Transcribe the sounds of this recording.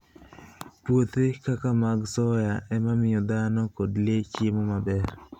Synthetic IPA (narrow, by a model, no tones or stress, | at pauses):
pwot̪ekakamaɡsɔjaʔɛmamɪjɔd̪anɔkodlɪet͡ʃemomabɛr